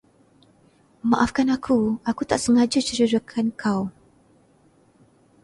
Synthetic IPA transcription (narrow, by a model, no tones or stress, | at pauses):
maʔafkanakʰuakut̪aʔsəŋad͡ʒut͡ʃəɾəɾukʰankʰaw